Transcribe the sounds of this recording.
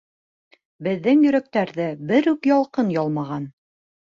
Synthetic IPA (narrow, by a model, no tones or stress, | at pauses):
bɘ̆ðːɘŋjɵ̆ɾæk̚t̪æɾðɘbɘɾʉkjɒlˠqɤnjɒlˠmɑʁɑn